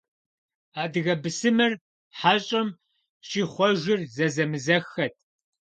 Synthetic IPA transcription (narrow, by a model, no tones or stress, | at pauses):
aːdɨɣɐbɨsɨmɨr | ħaːɕʼɐm | ɕiːχʷɔʒɪrzɐzɐmɨzɐxːɐtʰ